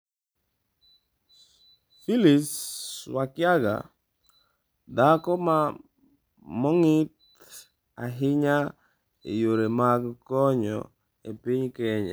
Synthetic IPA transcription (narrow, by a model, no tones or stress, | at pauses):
filiswakjaɡa̰ | dakɔma | mɔŋɪt | aɦɪɲa | ḛjoɾemaɡkɔɲɔ̰ | epiɲkɛɲa̰